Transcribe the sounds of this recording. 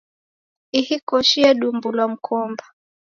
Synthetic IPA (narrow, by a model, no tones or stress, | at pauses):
ihikɔʃiaɗumbulwam̩kʰɔmba